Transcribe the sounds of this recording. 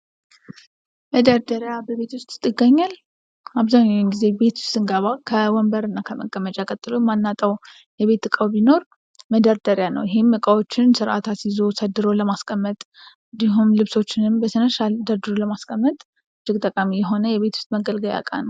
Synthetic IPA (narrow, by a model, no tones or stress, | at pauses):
məd̪əɾd̪əɾjabəβe̞t̪ʰwʊst̪ʼɨɡəɲːal | aβzaɲːawnɡize̞be̞t̪ʰʊ̥st̪ʼɨŋɡaβakʰəwɔmbəɾɨnːakʰəmə̰kʼːəmət͡ʃʼakʼət̪ʼːɨlomanːat̪ʼəw | jɛβe̞t̪ːɨkʼəwbino̞ɾ | məd̪əɾd̪əɾjanə̰wjɪɦe̞mːɨkʼəwo̞t͡ʃːɪnsɨɾʔa̰t̪ʰasizo̞səd̪ːɨɾoləmaskʼəmːət̪ʼ | ɨnd̪iɦumlɨβso̞t͡ʃːɪnɨmbəsənəʃald̪əɾd̪ɨɾoləmaskʼəmːət̪ʼ | ɨd͡ʒːɪkʼt̪ʼəkʼamijɛɦo̞nəjɛβe̞t̪ʰu̥st̪ʼməɡəlɡəja̰kʼa̰nəw